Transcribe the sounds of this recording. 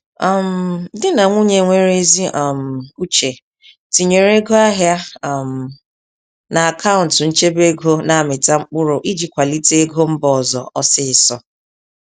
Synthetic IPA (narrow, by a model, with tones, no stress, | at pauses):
a˦˨m̩˦dɪ˦na˨ŋʷu˦ɲe˨ŋʷe˦ɾe˦zi˦ʔa˨m̩˨u˦t͡ʃe˨ | ti˨ɲe˨ɾe˦ɡo˦a˦ɦja˦˨m̩˨ | na˨a˨kʰa˦ʊ˨n̩˨tn̩˦t͡ʃe˦be˦ɡo˦na˨mɪ˨ta˦ŋ͡m̩˦k͡pʊ˦ɾʊ˨ʔi˦d͡ʒi˨kʷa˨li˦ti˦e˦ɡo˦m̩˦bɔ˨zɔ̰˨ʔɔ˦sɪ˦ɪ˨sɔ˨